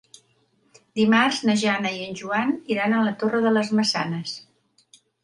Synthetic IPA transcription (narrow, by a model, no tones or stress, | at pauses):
d̪imarznəʒanəiənʲʒuaniɾanənlət̪orəðələzməsanəs